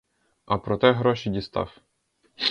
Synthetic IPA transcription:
ɐpɾɔt̪ɛɦɾɔʃidʲist̪ɑ̰w

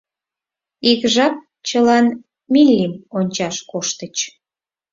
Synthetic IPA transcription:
iɣʒɑk̚ | t͡ɕəlɑn | milʲːimonʲt͡ɕɑʃkoʃt̪ət͡ɕ

